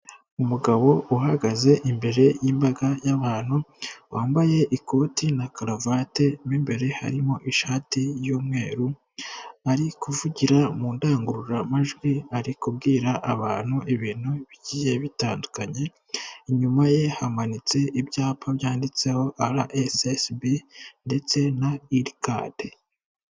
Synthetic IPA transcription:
umuɡaβo̞uɦaɡaze̞ʔimbe̞ɾe̞jimbaɡajaβaːn̥huwaːmbaje̞ʔikʰo̞ːtinakalavate̞miːmbe̞ɾe̞ha̰ɾimo̞ʔiʃaːtijuːmŋe̞ːɾu | aɾikuvuɟiɾamuːndaːŋɡuɾuɾamaʒɡwiaɾikubɡiːɾaʔːβaːn̥huʔiβiːn̥uβiɟiːje̞βitaːndukaɲe̞ | iɲumaje̞hamanit͡se̞ʔibjaːpʰaβjaːndit͡se̞ho̞ʔaɾaʔesesbinde̞t͡se̞naiɾka̰de

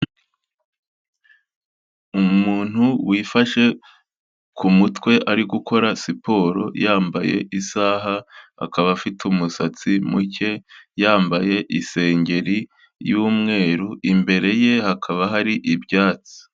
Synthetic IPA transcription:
umuːn̥huwiːfaʃe̞ | kumutwe̞ʔaɾiɡuko̞ɾasipo̞ːɾo̞̰jaːmbaje̞̰ʔisaːɦaha̰kaβafitumusat͡simuce̞jaːmbaje̞ʔise̞ːɲɟe̞ɾi | juːmŋe̞ːɾuʔimbe̞ɾe̞je̞hakʰaβaɦaɾiʔibjaːt͡si̥

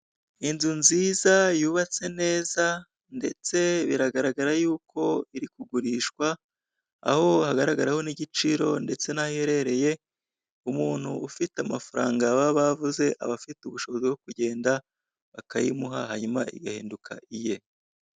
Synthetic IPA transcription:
inzunziːzajuːβat͡se̞ne̞ːza | nde̞t͡se̞βiɾaɡaɾaɡaɾajuːkʰo̞iɾikuɡuɾiːʃkwa̰ː | ho̞haɡaɾaɡaɾaho̞niɟit͡ʃiɾo̞nde̞t͡se̞nahijeɾe̞ɾe̞je̞ | umuːn̥hṵːfitamafaɾaːŋɡaβaβavuze̞ʔa̰βafituβuʃo̞βo̞ziwokuɟe̞ːnda | βakajḭmuɦaɦaɲumaḭɡahḭːndukʰa̰ʔije̞

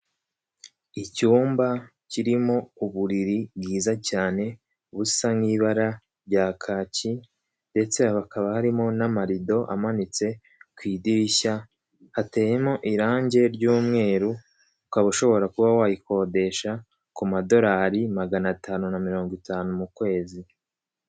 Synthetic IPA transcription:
icuːmbaciɾimo̞uβuɾiɾibɡiːzacaːne̞ | βu̥samŋiːβaɾa | ɾɟaːkʰaːci | nde̞t͡se̞aβakaβahaɾimo̞namaɾido̞ʔa̰manit͡se̞ | kwiːdiça | hate̞ːje̞mo̞ʔiɾaːɲɟe̞ɾɟuːmŋe̞ːɾu | ukaβuʃo̞βo̞ɾakuβawajiko̞ːde̞ʃa | kumado̞ɾaːɾimaɡanataːnunamiɾo̞ːŋɡwitaːnumukwe̞ːzi

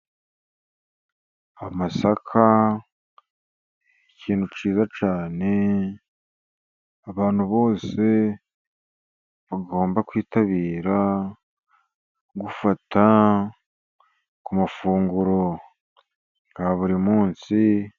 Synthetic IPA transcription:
amasakʰa | iciːnhut͡ʃiːzat͡ʃaːne̞ | aβaːn̥huβo̞ːse̞ | βaɡo̞ːmbakwiːtaβiːɾa | ɡufata | kumafuːŋɡuɾo̞ | ŋɡ̥aβuɾimuːnsi

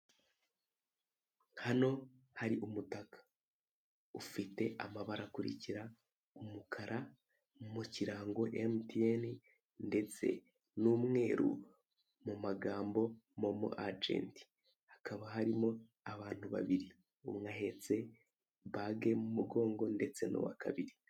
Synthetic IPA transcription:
hano̞haɾiʔumutakḁ | ufite̞ʔa̰maβaɾakuɾḭciɾa | umukʰaɾʔa | mumuciɾaːŋɡo̞ʔemtien | nde̞t͡se̞̰ | numŋe̞ːɾṵ | mumaɡaːmbo̞mo̞mṵʔad͡ʒḛːnti̥ | hḁkaβaɦaɾimo̞ | aβaːn̥huβa̰βiɾi | umŋahe̞t͡se̞ | βaɡe̞mumuɡo̞ːŋɡo̞nde̞t͡se̞no̰wa̰ka̰βiɾi

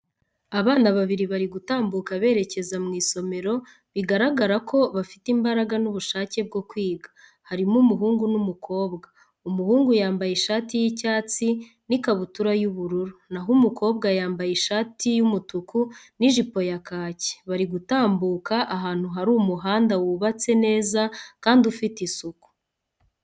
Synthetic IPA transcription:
aβaːnaβaβiɾiβaɾiɡutaːmbukaβe̞ːɾe̞ce̞zamŋiːso̞me̞ɾo̞ | βiɡaɾaɡaɾakʰo̞βafi̥timbaɾaɡanuβuʃaːce̞b̚ɡo̞kwiːɡḁ | haɾimumuɦuːŋɡunumukʰo̞ːβɡa | umuhuːŋɡujaːmbajeʃaːtijicaːt͡si | nikaβutuɾajuβuɾuɾunaɦumukʰo̞ːbɡajaːmbajiʃaːtijumutuku | niʒipo̞jakaːce̥βaɾiɡutaːmbuːkaʔaɦaːn̥huɦaɾuːmuɦaːndawuβat͡se̞ne̞ːzakaːndiufitisuku̥

